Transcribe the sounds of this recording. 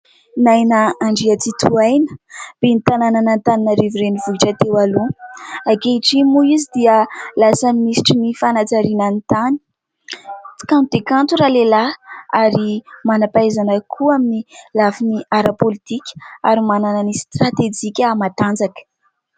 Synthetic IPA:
najnəaɳɖ͡ʐiat͡sit̪ʰuajnə̥b̥enit̪anananant̪aninaɾiviɾenivuiʈ͡ʂat̪ewaluakeiʈ͡ʂimuizid̪iəlasamimisi̥ʈ͡ʂinifanat͡saɾinənt̪ani̥ | t͡si̥kanud̪ekant̪uɾalelaaɾimanapajzanəkʰuaminilafiniaɾapolit̪ikʲə̥aɾimanananist̪rat̪ed͡ʒikʲəmat̪and͡zakə̥

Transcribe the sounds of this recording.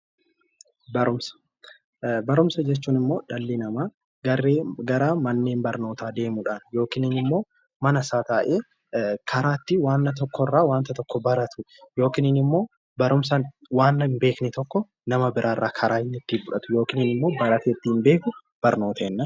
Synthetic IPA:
bɐɾʊmsɐ̥ | bɐɾʊmsɐd͡ʒɛt͡ʃːuːnɪmːo̞ːᶑɐlːinɐmaː | ɡɐɾeːɡɐɾaːmɐnːeːmbɐɾno̞ːt̪aːd̪e̞ːmʊᶑanjo̞ːkɪːnɪnɪmːo̞ː | mɐnɐsaːt̪aːʔeː | kʰɐɾaːt̪ːɪwaːnːɐt̪̬ɔkːɔrːaːwaːnt̪ɐt̪ɔkːɔbɐɾɐt̪ʊ | jo̞ːkɪnɪnɪmːo̞ː | bɐɾʊmsɐ | waːnːɐmbe̞ːknɪt̪ɔkːɔ | nɐmɐbɪɾʔaːrːaːkʰɐɾaːɪnːɪt̪ːibʊᶑɐt̪ʊ̥jo̞ːkɪnɪnɪmːo̞ːbɐɾɐt̪ɛt̪ːimbe̞ːkʊ | b̥ɐɾno̞ːt̪ɐːnːɐ

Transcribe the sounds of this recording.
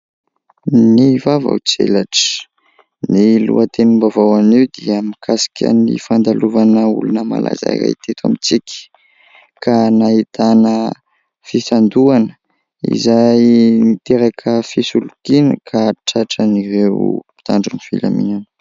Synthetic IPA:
nivava̰wt͡sḛlaʈ͡ʂə̥ | nilṵat̪enimbavawaniwd̪iamikʰasḁkʲʰə̰nḭfand̪aluvanəṵlunəma̰lʔa̰za̰ira̰jt̪ʰet̪amit͡sikʲə̥ | kʰanaɦit̪anə | fisand̪uanə̥ | ḭzajnit̪eɾakʰəfisulukinəkʰaʈ͡ʂaʈ͡ʂənirewi̥t̪aɳɖ͡ʐunifila̰mḭnun̥

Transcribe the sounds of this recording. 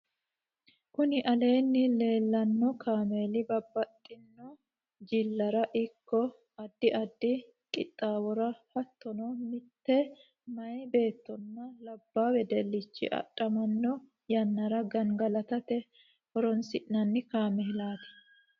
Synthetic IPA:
kʊnɪʔɐle̞ːnːɪle̞ːlːɐnːɔkaːme̞ːlɪbɐbːɐt̪ʼːɪnːɔ | d͡ʒɪlːɐɾɐʔɪkːɔ | ɐd̪ːɪʔɐd̪ːɪ | kʼɪt̪ʼːaːwɔɾɐhɐt̪ːɔnɔmɪt̪ːɛ | mɐjbe̞ːt̪ːɔnːɐlɐbːaːwɛd̪ɛlːɪt͡ʃːɪ̰ʔɐ̰tʼːɐmɐnːɔ | jɐnːɐɾɐɡɐŋɡɐlɐt̪ɐt̪ɛ | hɔɾɔnsɪʔnɐnːɪkaːmɛlaːt̪ɛ̥

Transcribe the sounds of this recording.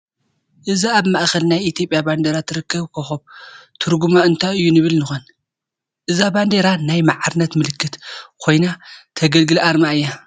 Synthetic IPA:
ʔɨziaβmaʔxɐlnajit̪ʰijo̞pʼjaband̪eɾat̪ʰɨɾɨkːɐβkʰɐxoβt̪ʰɨɾɡumaɨnt̪ʰajɨjːunɨβɨlnɨxon | ʔɨzaband̪eɾanajmaʕaɾnɐt̪mɨlɨkʰːɨt̪kʰo̞jnat̪ʰɐɡɐlɡɨlʔaɾmaɨjːa

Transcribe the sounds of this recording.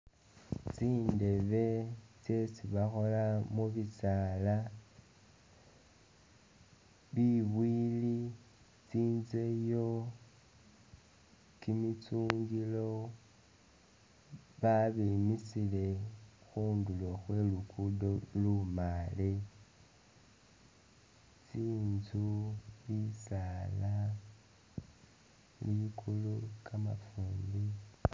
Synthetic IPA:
t͡siːnde̞βe̞t͡se̞t͡siβaxo̞lamuβisaːla | βiβwiːli | t͡siːnze̞jo̞ | kimit͡suːŋɡilo̞ | βaβimisile̞xuːnduloxwe̞lukudo̞lumale | t͡siːnzuβisaːla | liβikʰulukama̰fuːndi

